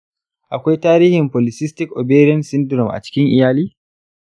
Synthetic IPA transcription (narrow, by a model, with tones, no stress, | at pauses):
ʔa˨kʷa˦jtaː˦ɾiː˦hɪ˨mpoː˨lɪ˨sɪ˦stɪ˦kʔɔ˨beː˦ɾɪ˦ɛ˦nsɪ˦ndɾɔ˨mʔa̰˨t͡ʃɪ̥˦kʲɪ˦ŋʔɪ˨jaː˦liː˦